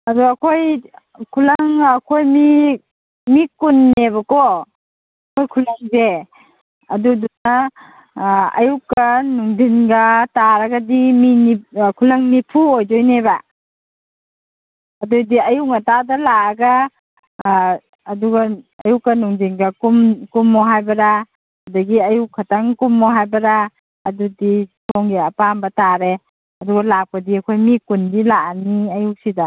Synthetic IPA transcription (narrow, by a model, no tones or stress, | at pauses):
aduakʰoj | kʰulaŋakʰojmi | mikunːeβakɔː | kʰojkʰulaŋze | a̰duduna | a̰jukanuŋdinɡataɾaɡadiminikʰulaŋnipʰuojd͡ʒɔjneβa | dujdiajuŋatadalaːɡa | duɡaː | jukanuŋdinɡakumkumːɔɦajbɐɾa | adaɡiajukʰataŋkumːɔɦajbɐɾaː | dudisʰɔŋɡiɐpambɐtaɾe | ɐduɡalap̚kadiakʰojmikundilaaniɐjusida